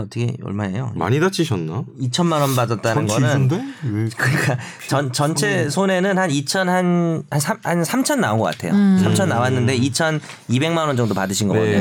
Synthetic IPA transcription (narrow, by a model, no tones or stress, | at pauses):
ʌt͈ʰʌkʰḛʌ̰ɭmaejoma̰ɲidat͡ɕ͈ʰiɕʰʌnːait͡ɕʰʌnmanwʌnbadʌt̚t͈anɯnɡʌnɯndekɯik͈at͡ɕʌnt͡ɕʌnt͡ɕʰe̞sʰone̞nɯnhanit͡ɕʰʌnhanhansʰahansʰamt͡ɕʰʌnːaoŋɡʌk͈atʰe̞josʰamt͡ɕʰʌnːawanːɯnde̞it͡ɕʰʌnibe̞ŋmanʌnd͡ʑʌŋdopadɯɕʰinɡʌeo